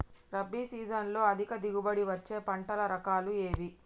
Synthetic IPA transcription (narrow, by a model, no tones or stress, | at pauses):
ɾɐbːiːsiːd͡ʒɐnlo̞ːɐd̪ʱikɐd̪iɡubɐɽiʋɐt͡ʃːe̞ːpɐɳʈɐlɐɾɐkaːlueːʋi